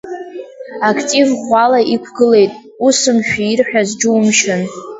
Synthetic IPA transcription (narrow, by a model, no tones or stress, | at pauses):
akʰtʼivχʷalaʔikʷʰɡɨle̞jtʼ | usɨmʃᶣiːrħᶣazd͡ʒɪwmʃan